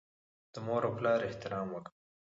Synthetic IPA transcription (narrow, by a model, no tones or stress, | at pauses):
d̪̥əmoɾoplɑɾɪht̪ɪɾɑmwək